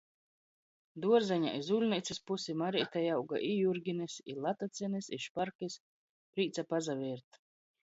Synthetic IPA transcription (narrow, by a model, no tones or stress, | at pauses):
d̪uɔɾzaɲa̰ʔizulʲnʲijt̪sʲispusimaɾit̪ajawɡa̰ʔijuɾɡʲinisḭlˠat̪at̪sʲinisiʃpaɾkis | pɾiːt̪sapazavʲiɾt̪